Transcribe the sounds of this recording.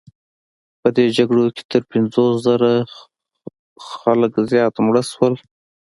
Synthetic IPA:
pəd̪ed͡ʒaɡɽoke̥t̪əɾpɪnzoszaɾa | xaləkzjɑt̪mɽəswəl

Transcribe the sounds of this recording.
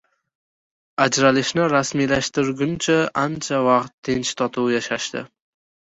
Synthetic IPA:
ad͡ʒɾalɪʃnɪɾasmijlaʃt̪ɪɾɡʲʊnt͡ʃʰaʔant͡ʃʰavɑqt̪ʰːent͡ʃt̪ʰɒt̪ʰuwjaʃaʃt̪ɪ̰

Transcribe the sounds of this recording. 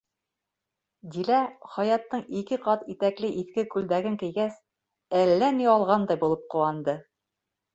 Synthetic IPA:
d̪ilæχɑjɑt̪ːɤɴikɘqɑt̪it̪æklɘʔiθkɘkʉld̪æɡɘŋkɘ̆jɡæs | ælːæniɑlˠʁɑnd̪ɑjbulˠɤp̚quɑnd̪ɤ

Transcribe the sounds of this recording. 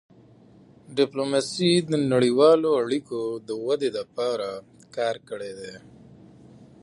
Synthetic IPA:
ɖɪplomasid̪ənaɽiwɑloaɽikod̪əwad̪elapɑɾa | kɑːɾkəɽed̪e

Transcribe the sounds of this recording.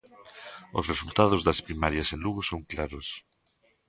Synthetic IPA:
osresult̪að̞ʊzðɐspɾimaɾjɐsẽnluɣʊsoŋklaɾʊs

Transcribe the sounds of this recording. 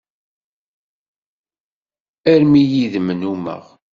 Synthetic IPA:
æɾmijiðmənumə̰ʁ

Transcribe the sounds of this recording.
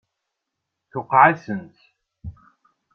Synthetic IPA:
θʊqːʕasənt̪

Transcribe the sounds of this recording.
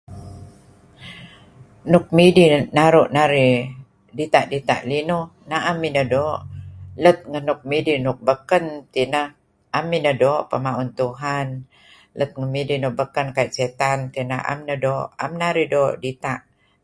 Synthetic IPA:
nuk̚midinaɾuʔnaɾi | dit̪aʔdit̪a̰ʔlinu | naʔamːinədoːʔlət̪̚ŋənuk̚midinʊk̚bəkənt̪inə | amːinədoʔpəmaunt̪uɦan | lət̪̚ŋəmidinuk̚bəkənkait̪̚set̪ant̪inaʔa̰mnədoʔa̰mnaɾidoʔdit̪aʔ

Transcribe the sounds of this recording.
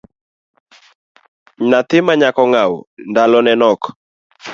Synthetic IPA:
nat̪ɪmaɲakɔŋawndalɔnɛnɔk

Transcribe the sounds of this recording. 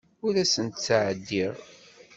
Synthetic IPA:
ʊɾæsənt̪t͡sːʕəd̪ːiɾˤ

